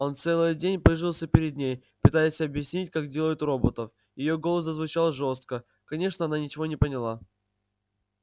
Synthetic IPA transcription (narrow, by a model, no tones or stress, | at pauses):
o̞nt̪sɛlˠɨjdʲenʲpɾɨʐɨlˠsʲəpʲɪɾʲɪd̪̚ʲnʲej | pɨt̪ajɪsʲɐbjɪsʲnʲitʲkaɡdʲeləjʊt̪ro̞bət̪əf | jɪjo̞ɡo̞lˠəs̬əzvʊt͡ɕalˠʐo̞st̪̚kə | kɐnʲe̞ʂnəɐnanʲɪt͡ɕɪvo̞nʲɪpənʲɪlˠa